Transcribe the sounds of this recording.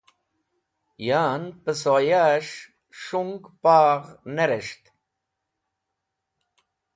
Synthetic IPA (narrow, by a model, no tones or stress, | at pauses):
jaːnpəsojaʂ | ʂuŋɡpaːʁneɾeʂt̪